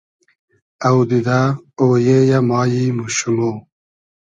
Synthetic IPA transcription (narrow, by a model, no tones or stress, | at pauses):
ɐwd̪id̪aoːjejamɑːjimuɕumo